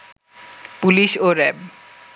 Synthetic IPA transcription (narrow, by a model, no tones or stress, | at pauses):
puliʃoɾɛb